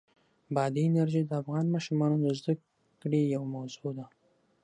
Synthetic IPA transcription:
bɑd̪iːnaɾʒid̪əafɣɑnmɑʃumɑnod̪əzd̪ək | kɽejawmawzod̪a

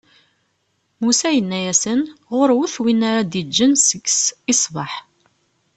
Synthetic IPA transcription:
musæjənːæjæsənʁʊɾwuθwinːaɾad̪id͡ʒːənsəɡsɪsˤvɑħ

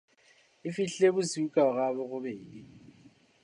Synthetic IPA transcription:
ifiɬeβuziukʼaɣaβɔɣuɓeːli

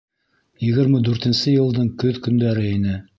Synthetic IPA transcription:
jɘ̆ɣɘ̆ɾmɘd̪ʉɾt̪ɘ̆nsɘjɤ̆lˠd̪ɤɴkɵðkɵ̆nd̪æɾɘinɘ

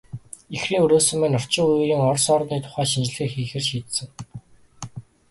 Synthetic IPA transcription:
ixriːŋɵɾoːsɵ̆mːæːnʊr̥t͡ɕɪ̆ŋujɣiːŋɔrsɔːrniːt̪ʰʊ̥χæːʃint͡ɕ̆ɮɘ̆ːkxiːxɘ̆rt͡ɕiːt̪sɘ̆ŋ

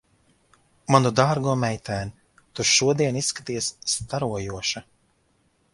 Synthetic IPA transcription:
manud̪aːɾɡuɔmɛjt̪æːn | t̪uʃuɔd̪iɛnisːkat̪ijsːt̪aɾuɔjuɔʃa

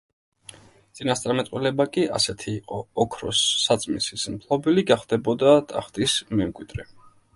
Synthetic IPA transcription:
t̪sʼinast̪ʼaɾmɛt̪ʼwilɛbakʼiʔa̰sɛt̪ʰiːqʼɔːkʰɾɔsːat̪sʼmisismpʰlˠɔbiliɡaχd̪ɛbɔd̪at̪ʼa̰χt̪ʼismɛmkʼwid̪̥ɾɛ

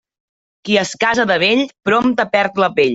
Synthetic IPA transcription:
kiəskazəðəβ̞eʎpɾomt̪əpɛɾt̪ləpeʎ

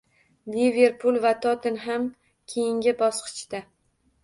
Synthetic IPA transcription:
live̞ɾpʰʊlˠvat̪ʰɒt̪ɪnɦam | kʲʰejɪŋɡʲɪbɒsqʰɨ̥t͡ʃt̪a

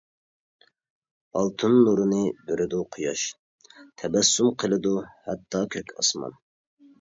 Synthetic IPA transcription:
ɑlˠt̪ʰɨnːuɾɨnɨbeɾɪd̪uqʰʊjɑʃ | t̪ʰɛbɛsːumqʰəlˠɨd̪uhɛt̪ʰːɑkʲʰøkʲʰɑ̰smɑ̰n

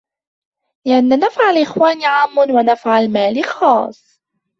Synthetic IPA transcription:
lɪʔanːanafʕalʔɪxwaːniʕaːmːʊnwanafʕalmaːlɪxɑːsˤ

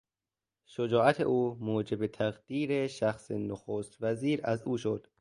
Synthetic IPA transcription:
ʃod͡ʒɒːæt̪ʰḛʔuːmoːd͡ʒe̞bet̪ʰæɣd̪̥iːɾeʃæxsenoxoːst̪væziːɾæzuːʃod̪̥

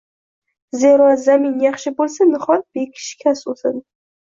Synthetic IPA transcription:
zeɾɒzamɪnjɑχʃɪbolˠsanɪχɒɾbekʲʰɪ̥ʃkʲʰasot̪ɪd̪

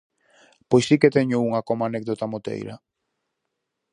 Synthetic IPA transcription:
pojsiket̪eɲʊuŋakomanekðot̪amot̪ḛjɾa̰

